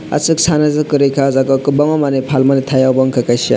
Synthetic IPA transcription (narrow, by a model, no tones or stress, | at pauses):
a̰sɯk̚sʰanazɯkɯɾejkʰazakɔkɯbɔŋɔmanepʰalmanet̪ʰajawbɔŋkʰakasa̰